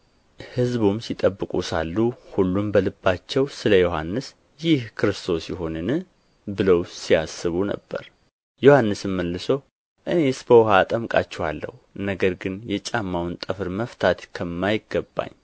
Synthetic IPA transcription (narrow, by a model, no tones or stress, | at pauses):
hɨzbumsit̪ʼəbːɨkʼusalːuhulːumbəlɨbːat͡ʃːɛwsɨləjo̞ɦanːɨs | jɪhkʰɨɾɨst̪ʰo̞sjɪɦo̞nɨnɨ | bɨləwsiasːɨβunə̰bːə̰ɾ | jo̞hanːɨsɨmməlːɨsow | ʔɨne̞sbəwɦat̪ʼəmkʼa̰t͡ʃːɛwalːə̰hunəɡəɾɡɨnjɛt͡ʃʼamːawnt̪ʼɨfɨɾməft̪ʰat̪kʰəmːajɪɡːəbːa̰ɲː